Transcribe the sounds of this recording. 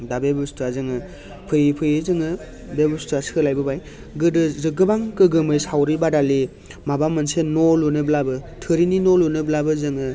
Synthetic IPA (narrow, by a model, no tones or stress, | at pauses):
dabebɯstʰazɯŋɯ | pʰɯjpʰɯjɯzɯŋɯ | bebustasɯlajbɯbaj | ɡɯdɯzɯɡɯbaŋkɯɡɯmɯjsawɾibadali | mabamɯnsenɔlunɯblabɯtʰɯɾininɔlunɯblabɯzɯŋɯ